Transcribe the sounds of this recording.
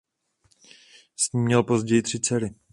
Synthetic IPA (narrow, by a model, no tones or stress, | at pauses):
sɲiːmɲɛlpo̞zɟɛjɪt̪r̝̥ɪt͡sɛɾɪ